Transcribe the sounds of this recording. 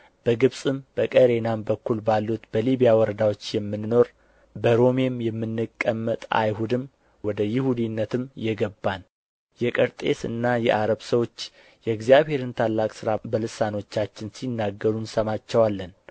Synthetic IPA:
b̥əɡɨβsʼɨmb̥əkʼəɾe̞nambəkːulbalːut̪bəliβijawɔɾəd̪awo̞t͡ʃːjɛmːɨnno̞ɾ | bəɾo̞memjɛmːɨnːɨkʼːəmːət̪ʼa̰jɦud̪ɨm | wɔd̪əjɪhud̪inːət̪ɨmjɛɡəbːan | jɛkʼəɾt̪ʼe̞sɨ̰nːajɛʔaɾəβsəwo̞t͡ʃː | jɛɡzijaβhe̞ɾɨnt̪ʰalːakʼsɨɾabəlɨsano̞t͡ʃːat͡ʃːɪnsinːaɡːəɾunsəmat͡ʃːɛwalːən

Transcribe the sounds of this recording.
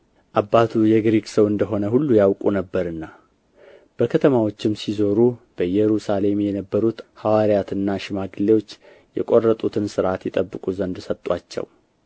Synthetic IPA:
ʔabːat̪ʰujɛɡɾeɡsəwɨnd̪əɦo̞nəɦulːujawkʼunəbːəɾɨnːa | b̥əkʰət̪ʰəmawo̞t͡ʃːɪmsizo̞ɾub̥əjɛɾusale̞mjɛnəbːəɾut̪hawaɾijat̪ɨnːaʃɪmaɡɨlːewo̞t͡ʃː | jɛ̰kʼo̞rːət̪ʼut̪ʰɨnsɨɾʔat̪jɛt̪ʼəbːɨkʼuzənd̪sət̪ʼːwat͡ʃːɛ̰w

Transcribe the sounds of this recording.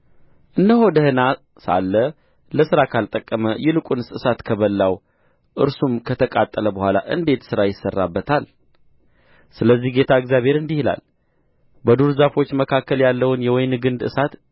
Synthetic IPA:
ʔɨnd̪əho̞d̪əhɨna | sa̰lːə | ləsɨɾakʰalt̪ʼəkʼːəməjɛlɨkʼunɨsɨsat̪kʰəβəlːaw | ʔɨɾsumkʰət̪ʰəkʼat̪ʼːələbəhʷala̰ʔɨ̰nd̪e̞t̪sɨɾajɪsːərːa̰bːət̪ʰal | sɨləzːihɡe̞t̪ʰaɨɡzʲjaβhe̞ɾɨnd̪ihla̰l | bəd̪uɾzafo̞t͡ʃːməkʰakʰːəljalːəwɨnjɛwɔjnɡɨnd̪ɨ̰sat̪

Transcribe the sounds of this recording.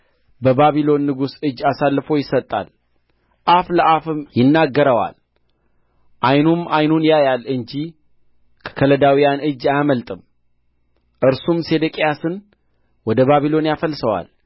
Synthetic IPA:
bəbaβilo̞nːɨɡusɨd͡ʒːasalːɨfo̞jɪsət̪ʼːa̰l | ʔafləʔafɨmjɪnːaɡːəɾəwa̰l | ʔajnumajnunjajalɨɲd͡ʒi | kʰə̥kʰələd̪awijanɨd͡ʒːajməlt̪ʼɨm | ʔɨɾsumse̞d̪əkʼjasɨn | wɔd̪əβaβilo̞njafəlsəwa̰l

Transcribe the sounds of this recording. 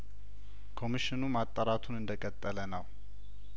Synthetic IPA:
kʰo̞miʃɪnumat̪ʼːəɾat̪ʰunɨnd̪əkʼət̪ʼːələnəw

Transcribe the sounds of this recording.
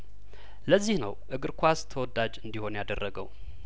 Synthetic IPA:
ləzːihnə̰wʔɨɡɨɾkʷʰast̪ʰəwɔd̪ad͡ʒɨnd̪iho̞njad̪ərːəɡəw

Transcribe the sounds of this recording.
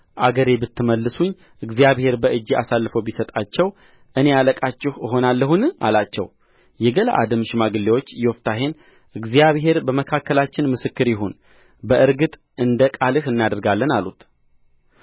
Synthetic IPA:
ʔaɡəɾebɨt̪ːɨməlːɨsuɲː | ʔɨɡzijaβhe̞ɾbəʔɨd͡ʒːia̰salːɨfəwbisət̪ʼat͡ʃːɛw | ʔɨne̞aləkʼat͡ʃːɪhɦo̞nalːəhunʔa̰lat͡ʃːɛ̰w | jɛɡəla̰ʔa̰d̪ɨmʃmaɡɨlːewo̞t͡ʃːjɛwoft̪ʰaɦe̞n | ʔɨɡzijaβɦe̞ɾbəməkʰakːəlat͡ʃːɪnmɨsɨkːɨɾjɪɦon | bəʔɨɾɡɨt̪ʼ | ɨnd̪əkʼalɨhɨnːad̪əɾɡalːənalut̪

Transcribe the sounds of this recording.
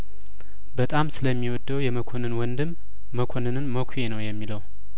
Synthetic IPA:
bət̪ʼamsɨləmːiwɔd̪ːəwjɛməkʰonɨnwɔnd̪ɨmː | əkʰo̞nɨnɨnməkʷʰuje̞nəwjɛmːiləw

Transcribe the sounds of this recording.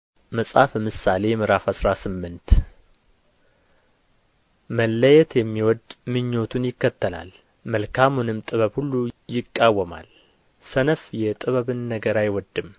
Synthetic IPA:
məsʼafmɨsale̞jmɨɾafasɾasɨmːɨnt̪ | məlːəjɛt̪jɛmːiwɔd̪mɨɲːo̞t̪ʰunjɪkːət̪ːəla̰l | məlkʰamunɨmt̪ʼɨβəβhulːujɪkʼːawːəma̰l | sənəfjɛt̪ʼɨβəβɨnːəɡəɾajwɔd̪ːɨm

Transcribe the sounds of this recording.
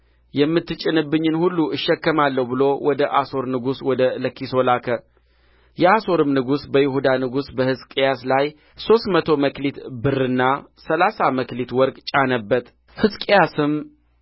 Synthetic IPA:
jɛmːɨt̪ːɨt͡ʃʼːɪnɨbːɨɲːɨnhulːuɨʃːɛkːəmalːəwbɨlo̞wʔɔd̪əʔaso̞ɾnɨɡuswɔd̪ələkːiso̞lakʰə | jɛaso̞ɾɨmnɨɡusbəjɪhud̪anɨɡusbəhɨskʼejaslaj | so̞st̪mət̪ʰo̞məklit̪bɨrːɨnːasəlasaməklit̪wɔɾɡʼt͡ʃʼanəbːət̪ | hɨskʼejasɨm

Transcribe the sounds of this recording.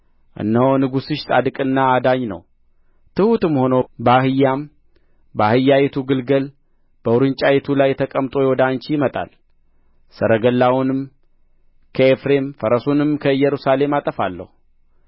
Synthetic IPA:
ʔɨ̰nːəwnɨɡusɨʃsʼa̰d̪ɨkʼɨnːaːd̪aɲnə̰w | t̪ʰɨhut̪ɨmho̞nobəahɨjːam | bəahɨjːajɛt̪ʰuɡɨlɡəl | b̥əwʊɾɨnt͡ʃʼajɛt̪ʰulajt̪ʰəkʼəmt̪ʼo̞jɛwɔd̪ant͡ʃijɪmət̪ʼa̰l | səɾəɡəlːawunɨm | kʰəefɾe̞mfəɾəsunɨmkʰəɨjːɛɾusale̞mat̪ʼəfalːə̰hu

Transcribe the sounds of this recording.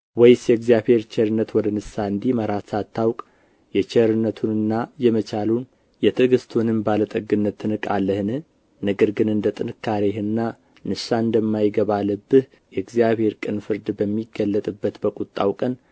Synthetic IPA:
wɔjsjɛɡzijaβhe̞ɾt͡ʃɛɾɨnːət̪wɔd̪ənɨsaɨnd̪iməɾat̪sat̪ʰːawkʼ | jɛt͡ʃɛɾɨnːət̪ʰunɨnːajɛmət͡ʃalun | jɛt̪ʰɨɡɨst̪ʰunɨmbalət̪ʼəɡɨnːət̪ʰːɨnɨkʼalːəhɨnɨ | nəɡəɾɡɨnɨnd̪ət̪ʼɨnɨkʰːaɾeɦɨnːa | nɨsaɨnd̪əmːajɡəβalːəbːɨh | jɛɡzijaβhe̞ɾkʼɨnfɨɾd̪bəmːiɡːəlːət̪ʼɨbːət̪bəkʼut̪ʼːawkʼən

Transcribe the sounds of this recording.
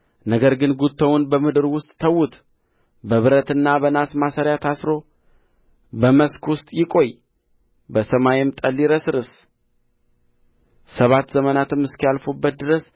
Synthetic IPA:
nəɡəɾɡɨnɡut̪ʰːəwunbəmɨd̪ɨɾwʊst̪ʼːʰəwːut̪ | bəβɨɾət̪ɨnːabənasmasəɾjat̪ʰasɾo̞ | bəməskwʊst̪ʼjɪkʼo̞j | bəsəmajɪmt̪ʼəlːiɾəsɨɾɨs | səβat̪ːzəmənat̪ʰɨmɨskijalfubːət̪̚d̪ɨɾəs

